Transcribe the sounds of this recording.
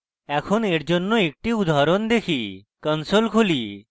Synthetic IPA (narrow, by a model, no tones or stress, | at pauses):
ɛkʰoneɾd͡ʒonːoek̚ʈiud̪ʱaɾond̪ekʰikənsolkʰoli